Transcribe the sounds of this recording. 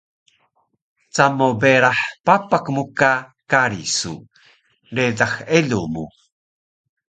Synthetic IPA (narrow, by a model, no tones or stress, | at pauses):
t͡samobeɾaħpapakmukakaɾisṵ | ɾedaxeɮumu